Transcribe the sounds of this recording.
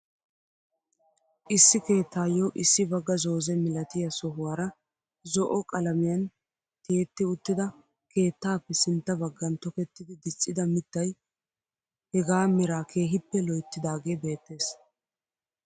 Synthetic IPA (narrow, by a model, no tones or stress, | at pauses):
ʔɪsːɪke̞ːt̪ːaːjɔʔɪsːɪbɐɡːɐzo̞ːzɛmɪlɐt̪ɪjɐsɔɦʊwaːɾɐ | zɔʔɔkʼɐlɐmɪjɐn | t̪e̞ːt̪ːɪʊt̪ːɪd̪ɐ | ke̞ːt̪ːaːpːɛsɪnt̪ːɐbɐɡːɐnt̪ɔkɛt̪ːɪd̪ɪd̪ɪt͡sʼːɪd̪ɐmɪt̪ːɐj | hɛɡaːmɪɾaːkʰe̞ːɦɪpːɛlɔjt̪ːɪd̪aːɡe̞ːbe̞ːt̪ːe̞ːs